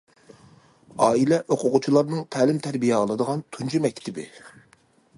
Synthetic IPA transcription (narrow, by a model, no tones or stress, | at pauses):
ɑːilɛʔoqʰʊqʊt͡ʃʰilˠɑɾnɨŋt̪ʰɛːlɪmt̪ʰæɾbijɛəlˠɨd̪əʁɑnt̪ʰunt͡ʃʰimɛk̚ʲt̪ʰɪbɪ̰